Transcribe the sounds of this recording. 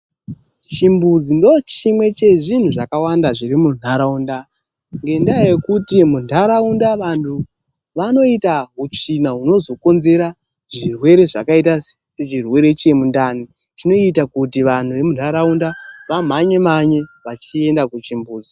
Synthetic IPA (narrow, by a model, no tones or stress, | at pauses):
t͡ʃimbud͡zindo̞t͡ʃimwe̞t͡ʃe̞ʐin̤uʐakawandaʐirimun̤aɾaunda | ŋɡe̞ndaje̞kutimundʱaɾaundaʋantʰu | ʋano̞itaɦut͡ʂinaɦuno̞zo̞ko̞nze̞ɾa | ʐirwe̞ɾe̞ʐakaita | set͡ʃirwe̞ɾe̞t͡ʃe̞mundani | t͡ʃino̞itakutiʋan̤uʋe̞munʱaɾaundaʋam̤aɲe̞maɲe̞ʋat͡ʃie̞ndakut͡ʃimbuːd͡zi